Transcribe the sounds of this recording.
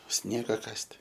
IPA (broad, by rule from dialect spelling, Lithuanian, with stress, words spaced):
ˈsʲnʲiɛɡɐ ˈkɐsʲtʲ